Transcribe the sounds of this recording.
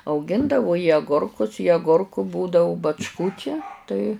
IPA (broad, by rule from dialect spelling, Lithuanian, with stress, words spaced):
ɐʊˈɡʲɪndɐʋʊ ɪ ɐˈɡʊrkʊs ɪ ɐɡʊrkuː buːdɐʊ bɐt͡ʃˈkuː t͡ʃʲɛ ˈtɐɪ